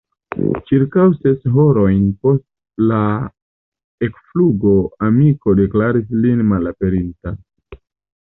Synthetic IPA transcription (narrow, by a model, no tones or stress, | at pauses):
t͡ʃiɾkawse̞sɦo̞ɾo̞jnpo̞st | la | e̞kfluɡo̞amiko̞de̞klaɾislinmalape̞ɾinta